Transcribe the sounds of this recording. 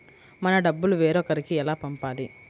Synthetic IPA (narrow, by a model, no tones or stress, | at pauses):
mɐnɐɖɐbːuluʋeːɾoːkɐɾikiɛlaːpɐmpaːli